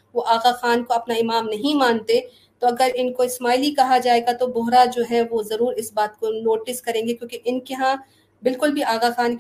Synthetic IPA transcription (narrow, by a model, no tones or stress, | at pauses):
ʋoʔaːɣaxaːnkoɐpnaɪmaːmnɐɦĩmãːnt̪e | t̪oɐɡəɾɪnkoɪsmaːilikɐɦad͡ʒaːeːɡat̪obʊɦɾad͡ʒoːɦɛʋozɐɾuːɾɪsbaːt̪konoːʈɪskɐɾẽːŋɡekjõːkeʔɪnkeɦã | bɪlkʊlbʱiaːɣaxaːnk